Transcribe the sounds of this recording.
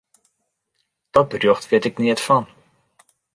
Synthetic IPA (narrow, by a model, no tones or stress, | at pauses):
d̥ɔt̚bərjoxtʋɪətɪkniətfɔn